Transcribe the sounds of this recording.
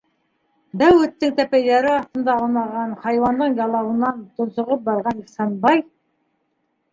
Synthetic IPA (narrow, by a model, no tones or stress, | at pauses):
b̪æwɵ̆t̪ːɪŋt̪æpæjd̪æɾɪɑt̪ə̆nd̪ɑlˠnɑʁɑnχɑjwɑnd̪əɴjɑlˠɑwənɑnt̪ʰʊ̆nsə̆ʁəp̚bɑɾʁɑniχsɑnbɑj